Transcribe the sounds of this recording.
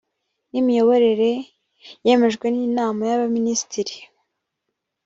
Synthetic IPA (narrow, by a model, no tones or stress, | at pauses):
nimijo̞βo̞ɾe̞ɾe̞ | je̞me̞ʒɡwe̞niːnaːmajaβaminisi̥tiɾi